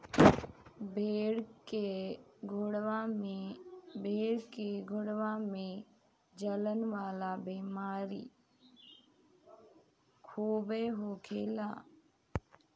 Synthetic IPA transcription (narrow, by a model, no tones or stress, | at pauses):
beɽeɡʱɽaebʱeːɽkeɡʱʊɽʋamẽ | d͡ʒələnʋaːlabiːmaːɾḭː | kʰuːbeːɦoːkʰeːlaː